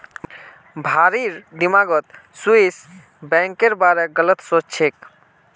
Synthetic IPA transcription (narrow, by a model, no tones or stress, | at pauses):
bʱaɾiɾd̪imaɡət̪suis | bɛ̃ŋkeɾbaɾeɡələt̪sot͡ʃt͡ʃʰek